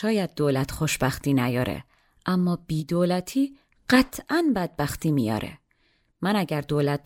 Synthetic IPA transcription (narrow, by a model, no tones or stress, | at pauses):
ʃɒːjæd̪̚ːoːlæt̪ʰxoʃbæxt̪iːnæjɒ̰ːɾḛ | ʔæmːɒːb̥iːd̪oːlæt̪ʰiː | ɢ̥æt̪ʰʔænbæd̪̚bæxt̪iːmijɒ̰ːɾʔḛ | mænæɟæɾd̪oːlæt̪̚